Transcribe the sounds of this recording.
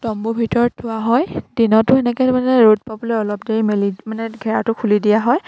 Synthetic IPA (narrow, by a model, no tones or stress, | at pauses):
tɔmbubʱitɔɹtʰʊwaɦɔjdinɔtʊɛnɛkɛmanɛɹod̚pabɔlɔjɔlɔpdeɹimelimanɛɡʱɛɹatʊkʰulidijaɦɔj